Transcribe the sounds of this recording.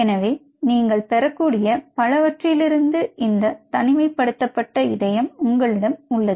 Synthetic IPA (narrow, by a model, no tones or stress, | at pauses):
ɛnɐʋeː | niːŋɡɐɭpɛɾɐkːuːɽɪjɐpɐlɐʋɐʈrɪjɪlɪɾɯnd̪ɯʔɪnd̪ɐt̪ɐnɪmɐɪpːɐɽɯt̪ːɐpːɐʈːɐɪðɐjɐmʊŋɡɐɭɪɽɐmʊɭːɐðɯ